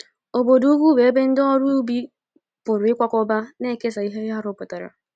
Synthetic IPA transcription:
o˨bo˨du˦ɡʷu˦be˨e˦be˦n̩˦dɔ˦ɾu˦bi˦ | pʊ˨ɾʊ˨ɪ˦kʷa˦kʷɔ˦ba˦ne˦˨ke˦sa˨i˦ɦe˦a˦ɾʊ˨˦pʊ˨ta˨ɾa̰˨

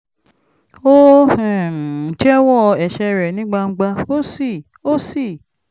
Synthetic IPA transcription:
o˦ɛ˨t͡ʃɛ˦wɔ˦˨˧ɛ˨ʃɛ˧ɾɛ˨nĩ˦ɡ͡ba˧ŋ̩˦ɡ͡ba˧o˦si˦˨ | o˦si˦˨

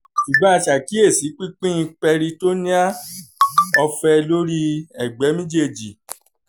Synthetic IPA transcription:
ʃu˨ɡ͡bɔ˨˦a˧ʃa˨ki˦e˦˨si˨˦k͡pi˦k͡pĩ˦ĩ˧k͡pɛ˧ɾi˧to˦nĩ˦a˦ | ɔ˧fɛ˧lo˦ɾi˦ɛ˨ɡ͡bɛ˨˦mĩ˦d͡ʒe˦˨d͡ʒi˨

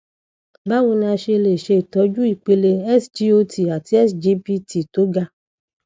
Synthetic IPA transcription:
ba˦wũ˧n˧a˧ʃe˧le˨ʃe˧i˨tɔ˨˧˦d͡ʒu˦i˦˨k͡pe˧le˧ɛ˦sd͡ʒi˦o˧ti˨a˨ti˧˦ɛ˦sd͡ʒi˧˦pi˧ti˨to˨˦ɡa˧

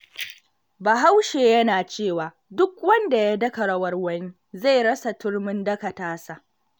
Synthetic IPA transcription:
ba˨ɦa˦wʃeː˨jɐ˦naː˨t͡ʃeː˦˨waː˨ | dʊ˦kwɐ˦nda˨ja˦dɐ˦kɐ˨ɽɐ˦wɐ˦rwɐ˦ni˦ | za˦˨jɽɐ˦sa˨tʊ˦ɽmʊ˦ndɐ˦kɐ˨taː˦sa˨ʔ

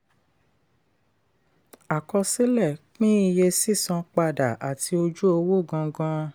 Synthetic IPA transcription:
a˨kɔ˧si˦lɛ˦˨k͡pĩ˦i˧je˧si˦˨sã˧k͡pa˧da˨ʔa˨ti˧o˧d͡ʒu˦o˧wo˦˨ɡã˧ɡã˧˦

